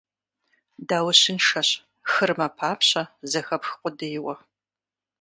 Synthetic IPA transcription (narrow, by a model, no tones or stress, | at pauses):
daːwʊɕɪnʂɐɕ | xɨrmɐpʰaːpɕɐzɐxɐpxqʷʼʊdɐjɪwɐ